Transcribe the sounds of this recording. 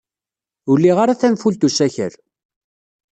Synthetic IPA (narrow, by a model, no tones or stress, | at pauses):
ulːiʁaɾaθænfult̪usæçə̰ɾ